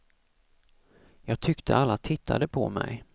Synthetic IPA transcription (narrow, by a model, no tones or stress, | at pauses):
jɑːɡ̚t̪ʰʏkt̪ʰəalːat̪ʰɪt̪ʰːa̰d̪əpʰɔ̰mɛ̰j